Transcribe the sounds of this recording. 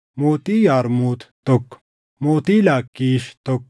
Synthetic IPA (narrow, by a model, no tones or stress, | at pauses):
moːt̪iːjaːɾmuːt̪ʰt̪ok | moːt̪iːlaːkːiːʃt̪ok̚